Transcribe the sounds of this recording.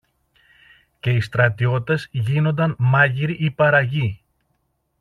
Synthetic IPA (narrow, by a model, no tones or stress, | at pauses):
ce̞ist̪ɾɐt̪io̞t̪ːe̞zʝino̞nd̪ɐnmɐʝiɾiʔipɐɾɐʝi